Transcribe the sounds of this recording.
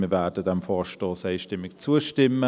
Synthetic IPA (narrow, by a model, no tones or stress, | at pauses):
mivɛːdədɛmfɔːʃtɔːsaɪʃtɪmːɪkt͡suːəʃtɪmə